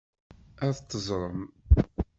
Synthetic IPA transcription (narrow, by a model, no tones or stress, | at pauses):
æθt̪ːəzˤɾˤəm